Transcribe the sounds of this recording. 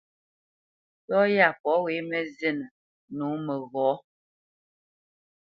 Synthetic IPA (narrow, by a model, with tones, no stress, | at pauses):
tɔ˦ja˦˨pɔ˨˦we˨˦mɛ˦ze˦˨nə˨ | nu˨˦mə˨ɣɔ˨˦